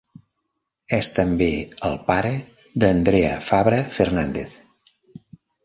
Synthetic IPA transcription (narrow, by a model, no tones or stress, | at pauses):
ɛst̪əmbeəlˠpaɾə | ðənd̪ɾeə̰faβɾəfərnand̪eθ